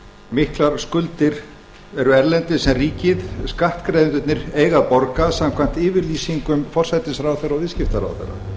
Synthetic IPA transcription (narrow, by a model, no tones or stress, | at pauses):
mɪhklaɾ̥skʏlt̪ɪɾ̥ | ɛɾʏɛɾlɛnt̪ɪsɛmriːcɪðskaht̪kɾejðɪnt̪ʏt̪nɪɾeːjɣaðpɔɾkasam̥kʰvan̥t̪ɪːvɪɾliːsiŋkʏmfɔr̥sajt̪ɪsɾaːwθerːawvɪðscɪft̪aɾa̰wθɛ̰ra̰